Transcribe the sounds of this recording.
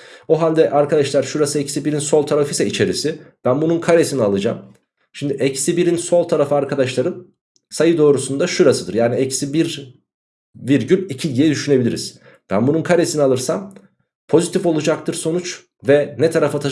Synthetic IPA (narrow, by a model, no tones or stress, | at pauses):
oɦalʲd̪ɛʔaɾkad̪aʃlˠaɾʃuɾasɯɛcsibiɾinso̞lˠt̪ʰaɾafɯisɛit͡ʃʰe̞ɾisib̥ænbununkʰaɾesinialˠɯd͡ʒa̰m | ʃimd̪iʔɛcsibiɾinso̞lˠt̪ʰaɾafɯaɾkʰad̪aʃlˠaɾɯn | sajɯd̪o̞ːɾusund̪aʃuɾasɯd̪ɯɾjaːniɛcsibiɾ | viɾɟylʲicʰidiɛd̪yʃyne̞bilʲḭɾḭz̥ | b̥æ̰nbununkʰaɾe̞sinialˠɯɾsam | pʰo̞zit̪ʰifo̞lˠud͡ʒak̚t̪ʰɯɾso̞nut͡ʃ | vɛnɛt̪ʰaɾafat̪ʰa